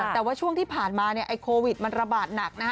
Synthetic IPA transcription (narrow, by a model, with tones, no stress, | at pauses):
ɛː˨˩waː˥˩t͡ɕʰu˥˩əŋt̪ʰiː˥˩pʰaː˨˩nmaː˧ni˥˩ɐʔa˧jkʰoː˧wi˨˩t̪̚ma˧nɾa˧baː˨˩t̪̚na˨˩k̚na˦˥